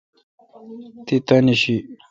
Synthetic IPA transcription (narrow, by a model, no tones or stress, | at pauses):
t̪it̪ɐniɕi